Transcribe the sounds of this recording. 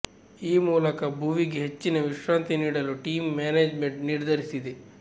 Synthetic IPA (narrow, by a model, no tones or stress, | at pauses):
iːmuːlɐkɐbʱuʋiɡeɦet͡ʃːinɐʋiʃʋaːnt̪iniːɽɐluʈiːmːaːneːd͡ʒme̞ɳʈniɾd̪ʱɐɾisid̪e